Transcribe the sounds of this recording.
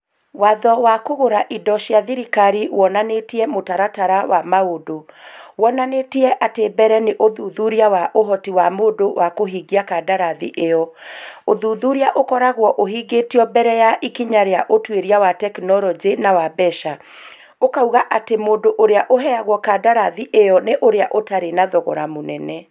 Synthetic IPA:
waðɔwakoɣoɾaʔidɔʃiaðiɾikaɾiwɔnanetiɛmotaɾataɾawamaodowɔnanetiɛʔatebɛɾɛneʔoðuðuɾiawaʔoɦɔtiwamoːdowʔakoɦiːɡiakadaɾaðḭʔeɔoðuːðuɾiaʔokɔɾaɣwɔʔoɦiɡetiɔbɛɾɛjaʔikiɲaɾeaʔotweɾiawatɛknɔɾɔd͡ʒenawabɛʃa | okauɣaʔatemoːdoʔoɾeaʔoɦɛaɣwɔkadaɾaðiʔejɔneʔoɾeaʔotaɾenaðɔɣɔ̰ɾa̰monɛnɛ

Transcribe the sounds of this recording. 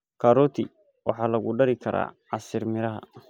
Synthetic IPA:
kʰɐɾɔt̪ʰɪ | wɑ̰ħɑːlɐɣʊɖɐɾɪkʰɐɾa̰ːʕɑsɪrmɪɾɐɦɐ̰

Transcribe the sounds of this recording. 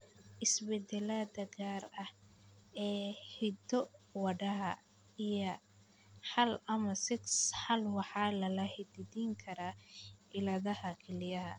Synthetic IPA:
ʔɪsbɛd̪ɛlaːd̪ɐɡaːrɐh | ɛːhɪd̪ɔwɑɖɐɦɐ | ijɐ | ħɑlɐmɐsɪksħɑlwɑħɑːlɐlɐhɪd̪ɪdiːŋkʰɐɾaːʔɪlɐðɐhɐkʰɛlɪjɐɦɐ̰

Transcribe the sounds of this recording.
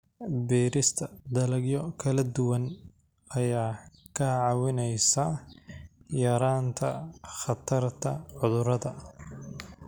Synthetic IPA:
biːɾɪst̪ʰɐd̪ɐlɐɡjɔkʰɐlɐd̪ʊwɐn | ɐjaːkʰɐʕɑwɪnɛjsɐ | jɐɾaːnt̪ʰɐ̰χɑt̪ʰɐrt̪ʰɐʕʊðʊɾɐðɐ

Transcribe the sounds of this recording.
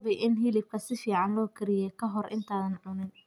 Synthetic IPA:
βɛjʔɪnɦɪlɪb̚kʰɐsɪfiːʕɑnlɔːkʰɪɾɪjɛkʰɐɦɔrʔɪ̰nt̪ʰaːðɐnʕʊnɪn

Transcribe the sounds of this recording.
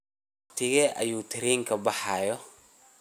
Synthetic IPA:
ɑqt̪ʰɪɣɛʔɐ̰juːt̪ʰɪɾiːŋkʰɐbɑħɑːjɔ

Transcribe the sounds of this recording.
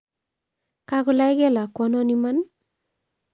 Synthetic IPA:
kakʊlajkɛlakːɔnɔniman

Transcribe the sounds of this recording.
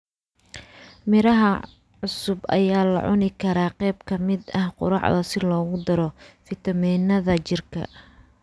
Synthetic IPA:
mɪɾɐɦɐ | ʕʊsʊbʔɐ̰jaːlɐ̰ʕʊ̰nɪkʰɐɾaːqɛjbkʰɐmɪd̪ɐhqʊ̰ɾɑ̰ʕðɐsɪlɔːɣʊd̪ɐɾɔfɪt̪ʰɐmiːnɐðɐt͡ʃɪrkʰɐ̰

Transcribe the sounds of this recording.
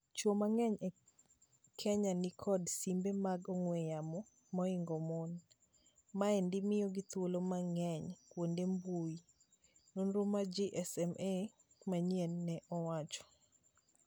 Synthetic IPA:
t͡ʃomaŋɛɲɛ | kʰɛɲanɪkʰɔdsimbemaɡɔŋwɛjamɔ | mɔɪŋɡɔmon | maɛndɪmɪjɔɡit̪wolomaŋɛɲkwondembui | nonɾomad͡ʒiʔɛsɛme | maɲjɛnːɛʔɔwat͡ʃɔ̥

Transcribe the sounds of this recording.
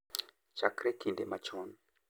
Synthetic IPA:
t͡ʃakɾekindemat͡ʃon

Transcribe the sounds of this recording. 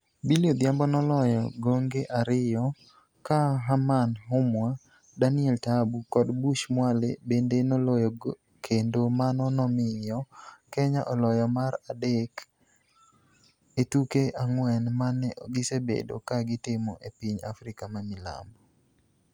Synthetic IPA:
biljod̪jambɔnɔlɔjɔɡoŋɡeʔaɾɪjɔ | kaɦamanɦʊmwa | danɪɛltabukɔdbuʃmwalḛbendenɔlɔjɔ | kʰendomanɔnɔmɪjɔkɛɲaʔɔlɔjɔmaɾadek | etukeʔaŋwɛnmanɛɡɪsebḛdo̰kaɡɪtɪmɔʔepiɲa̰fɾɪkamamɪla̰mbɔ

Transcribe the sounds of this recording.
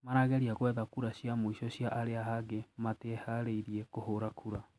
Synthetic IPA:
maɾaɣɛɾiaɣwɛðakuɾaɕjamoiɕɔɕjaʔaɾeaɦaɡemateɛhaɾeiɾiɛkohoɾakʰuɾa

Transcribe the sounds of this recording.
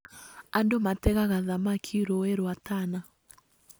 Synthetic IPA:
andomatɛɣaɣaðamakʰiɾoeɾwatana

